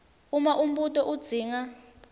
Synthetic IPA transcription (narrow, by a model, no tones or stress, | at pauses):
umaʔum̩ɓutʼɔʔud̥z̥ʱiːŋa